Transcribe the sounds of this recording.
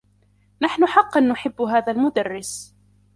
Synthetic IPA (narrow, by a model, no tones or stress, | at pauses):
naħnʊħɑqːanːʊħɪbːɦaːðalmʊd̪arːɪs